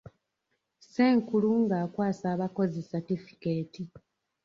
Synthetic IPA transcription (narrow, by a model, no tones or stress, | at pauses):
seːŋkuluŋɡaːkwaːsaːβako̞zesatifi̥ke̞ːti